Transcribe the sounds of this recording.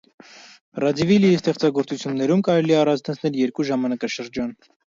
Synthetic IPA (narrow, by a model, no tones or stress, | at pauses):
rɑd͡zivilijist̪ɛχt͡sɑɡɔɾt͡sut͡sʰjunːɛɾumkɑɾɛliɛɑrɑnt͡st̪ʰɑnt͡sʰnɛljɛɾkuʒɑmɑnɑkɑʃəɾd͡ʒɑn